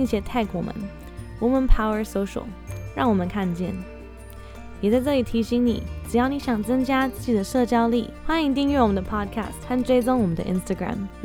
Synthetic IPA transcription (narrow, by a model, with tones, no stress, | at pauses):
i˥˧ŋɕjɛ˧˥t̪ʰa˥˩ɪkʰwɔ˨˩mə̰˨˦n | wɔ˨˥mə˧npʰa˥ʊə˞˧˥so˧˥ʊʂo̰˨˩˦ʊɻɑ˥˩ŋwɔ˨˩mə˨nkʰa˥˧nt͡ɕjɛ̰˥˩n | jɛ˨˩t͡sa˥˧ɪʈ͡ʂɤ˥˩li˨˩t̪ʰi˧˥ɕi˧˥ŋnḭ˨˩˦ʈ͡ʂɻ̩˨˩jɑ˥˩ʊni˧˥ɕjɑ˨˩ŋt͡sɤ˥ŋt͡ɕja˥t͡sɹ̩˥˩t͡ɕi˨˩d̪ə˦ʂɤ˥˩t͡ɕjɑ˥ʊlḭ˥˩xwa˥ni˧˥ŋt̪i˥˧ŋɥɛ˥˩wɔ˨˩ə˦nd̪ə˧pʰɑ˥˩d̚kʰa̰˥˩stxa˥˧nʈ͡ʂwe˥ɪt͡so˥ŋwɔ˨˩mə˦nd̪ə̰˧ʔḭ˥nst̪a˧ɡɹa̰˨˩m